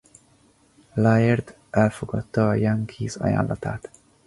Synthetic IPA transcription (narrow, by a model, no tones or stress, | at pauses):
lajɛrd̪ | ʔɛlfoɡɒt̪ːɒːjaŋkʰizɒ̰ja̰ːnlːʔɒt̪a̰ːt̪